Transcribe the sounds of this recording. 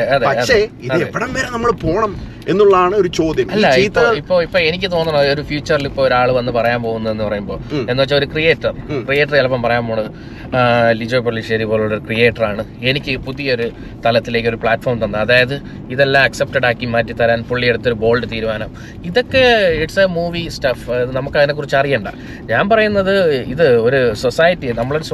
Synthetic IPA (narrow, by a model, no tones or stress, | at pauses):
ɐðɐɐðʂeiðɐðepːiɽɐmʋeːɾenɐmːɐɭpo̞ːɳɐm | e̞nːuɭːɐðaːɳɨoɾut͡ɕo̞ːd̪jɐmɐlːɐit̪ːɐipːo̞ːipːo̞ːɭe̞nikʲːɨt̪̬o̞ːnːɐɳɐðeoɾufjuːt͡ɕːɐrilipːoɭoɾaːɭɨʋɐnːɨpɐrɐjaːmpo̞ːɣunːɐðe̞nːɨpɐrɐjumbo̞ːɭenːut͡ɕːaoɾukrije̞ːʈːɐrkrijeːʈːɐrelpːɐmpɐrɐjaːmpoːɳɐɨ | lid͡ʑoːpoɭːiʂeðipoːluɭːoɾukrijeːʈːɐraːɳɨe̞nikʲːɨpuðijɐoɾu | t̪ɐlɐt̪ːile̞ːkʲːo̞ɾupɭaːʈːfo̞ːrmt̪ɐnːɨɐðaːjɐðɨ | iðelːaːmɐksep̚ʈɐɽaːkːimɐːtːit̪ɐɾaːnpoɭːijeɽut̪ːo̞ɾubo̞ːɭɖɨt̪iːɾumaːnɐm | iðo̞kːeeʈsɐmuːʋisʈɐfɐðɨnɐmukːɐðine̞kːurit͡ɕːɐrijɐɳɖa̰ | ɲaːnpɐrɐjunːɐðɨiðɨoɾuso̞saːjɐtːienɐmːɐɭo̞ɾus